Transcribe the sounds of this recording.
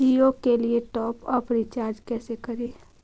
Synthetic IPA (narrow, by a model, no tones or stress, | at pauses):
ijokelieʈɔːpɔːɾfɾɪt͡ʃaːɾd͡ʒkɛːsekɐɾeː